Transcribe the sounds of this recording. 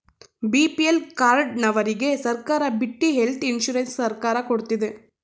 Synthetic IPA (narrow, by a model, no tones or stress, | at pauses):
biːpiɛlkaːɾɖ̚nɐʋɐɾɪɣesɐɾkaːɾɐbɪʈːiɦɛlt̪ɪnʃuːɾɐnsːɐɾkaːɾɐkɔɽɯt̪ːiðɯ